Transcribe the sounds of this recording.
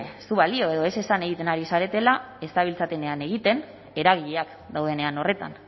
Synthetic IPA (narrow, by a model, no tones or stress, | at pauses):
suβalio̞e̞ðo̞e̞se̞sane̞ɣ̞it̪e̞naɾisaɾe̞t̪e̞lae̞st̪aβilt͡sat̪ene̞ane̞ɣ̞it̪e̞n | e̞ɾaɣ̞iʎeak | d̪awðe̞ne̞ano̞re̞t̪a̰n